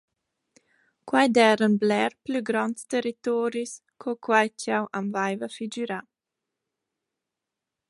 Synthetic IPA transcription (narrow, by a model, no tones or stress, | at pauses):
kwajd̪ɛːɾənblɛɾplyɡɾɔntst̪eɾit̪ɔːɾis | kʰokʰwajtʰjawʔamvajvafid͡ʒiɾa